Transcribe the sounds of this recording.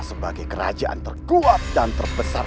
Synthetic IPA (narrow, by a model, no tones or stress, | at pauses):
səbaɡajkəɾa̰d͡ʒaʔa̰nt̪ərkuat̪̚dant̪ərbəsar